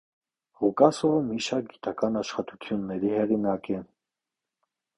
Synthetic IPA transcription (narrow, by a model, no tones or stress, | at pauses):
ʁukʼɑsɔmiʃɑɾk̚ɡit̪ʼɑkʰɑnɑʃχɑt̪ʼut̪ʰjunːɛɾihɛʁinɑkʼɛn